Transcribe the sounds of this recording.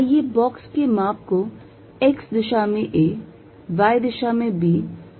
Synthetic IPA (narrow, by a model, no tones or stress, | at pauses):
jebɔːkskemaːp̚ko | eksd̪ɪʃamẽʔe | ʋaːjd̪ɪʃamẽbiː